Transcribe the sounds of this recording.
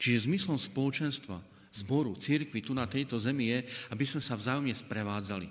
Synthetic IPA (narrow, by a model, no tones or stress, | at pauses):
t͡ʃiʒɛzmislɔmspɔlɔt͡ʃɛnst̪ʋa̰ | zbɔɾut͡siɾkʋit̪unat̪ɛjt̪ɔzɛmijɛabizmɛsavzaːjɔmɲɛspɾɛʋaːd͡zalḭ